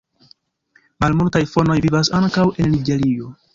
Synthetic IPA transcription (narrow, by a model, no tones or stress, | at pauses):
malmultajfo̞no̞jvivasaŋkawʔe̞nniɡe̞ɾio̞